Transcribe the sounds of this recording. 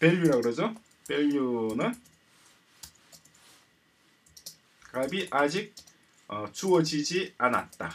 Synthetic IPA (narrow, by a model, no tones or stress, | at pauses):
peluɾaɡɯɾʌzʌ | pelunɯn | kabiʔad͡ʑik̚ | t͡sʰuwʌd͡ʑid͡ʑianat̚t̪͈ːa